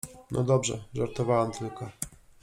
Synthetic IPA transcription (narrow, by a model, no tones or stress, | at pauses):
nʔɔ̰d̪ɔbʐɛ̰ʐaɾt̪ɔvawamt̪ʰɘlkɔ